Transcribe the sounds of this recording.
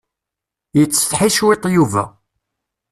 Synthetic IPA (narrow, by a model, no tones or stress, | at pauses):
jət͡sːə̥θħiʃwit̪ˤːjuvæ̰